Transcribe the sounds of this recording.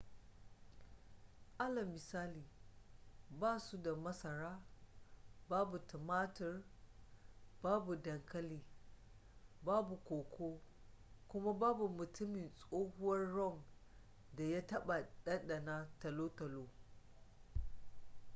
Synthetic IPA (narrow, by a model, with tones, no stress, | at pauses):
ʔa˦lɐ˨mːɪ˨saː˦liː˨ | baː˦˨su˦da˨mɐ˦sɐ˨ɾaː˦ | baː˦bu˨tɐ˨maː˦tɪ˨r | baː˦bu˨dɐ˨ŋkʰɐ˦liː˨ | baː˦bu˨kʷoː˨kʷʰoː˦ | kʷʊ˦ma˦baː˦bu˨mʊ˨tʊ˦mɪ˨nsʼoː˦hʊ˦wɐ˦rːɔ˦˨ŋ | da˨ja˦tɐ˦ɓa˨ɗɐ˦nɗɐ˨na˦tɐ˨loː˦tɐ˨loː˦